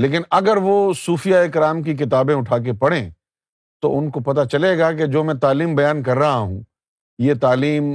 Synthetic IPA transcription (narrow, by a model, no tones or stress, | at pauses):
leːkɪnɐɡəɾʋosuːfijaeːkɾaːmkik̬ɪt̪aːbẽʊʈʰaːk̬epɐɽẽː | t̪o̰ʔʊnkopɐt̪at͡ʃɐleːɡak̬ed͡ʒoːmɛ̃t̪aːliːmbɐjaːnkɐɾːɐɦaɦṵ̃ | jet̪aːliːm